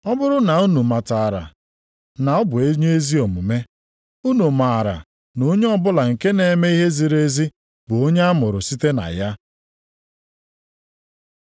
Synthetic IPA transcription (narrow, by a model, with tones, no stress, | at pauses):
ɔ˦bʊ˦ɾʊ˦na˨u˦nu˨ma˨ta˨a˨ɾa̰˨ | na˨ɔ˦bʊ˨e˦ɲ˦e˦zi˦o˨mu˨me˦ | u˦nu˨ma˨a˨ɾa̰˨ | no˦ɲe˦ɔ˦bʊ˦la˨ŋ̩˨ke˦ne˨˦me˦i˦ɦe˦zi˨ɾe˦zi˦ | bʊ˨o˦ɲe˦a˦mʊ˨ɾʊ˨si˦te˦na̰˨ja˦